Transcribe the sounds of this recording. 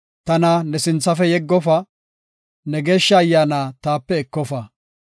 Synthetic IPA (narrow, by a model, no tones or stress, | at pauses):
t̪ɐnɐnɛsɪnt͡sːɐfɛjɛɡːɔfɐ | nɛɡeːʃːɐːjːaːnaːt̪aːpːɛɛkːɔfɐ